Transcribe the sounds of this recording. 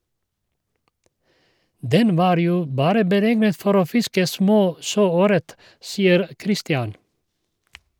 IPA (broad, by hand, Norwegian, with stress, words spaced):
ˈdɛn ˈʋɑːɾ ˈjuː ˈbɑːɾə bəˈɾɛɡnət ˈfɔɾ ˈoː ˈfɪskə ˈsmoː ˈʃøːˌøːɾət ˈsiːəɾ ˈkɾɪstɪɑn